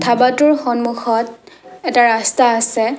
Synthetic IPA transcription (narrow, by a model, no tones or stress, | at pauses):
tʰabatʊɹxɔnmuxɔt̚ɛtaɹastaːsɛ